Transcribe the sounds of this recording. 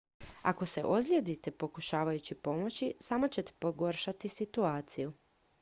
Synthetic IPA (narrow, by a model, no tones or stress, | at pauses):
a̰ko̞se̞ʔozʎʲed̪it̪epo̞kuʃaːʋajut͡ɕipo̞mo̞t͡ɕisaːmot͡ɕe̞t̪e̥po̞ɡo̞ɾʃat̪isit̪uaːt̪siju